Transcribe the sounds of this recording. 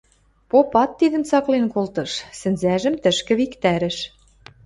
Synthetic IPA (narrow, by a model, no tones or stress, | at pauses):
popɑt̪ːiðə̆mt͡sɑklenkolt̪ɤ̆ʃsɘ̆nzæʒə̆mt̪ə̆ʃkɘ̆βikt̪æɾɘ̆ʃ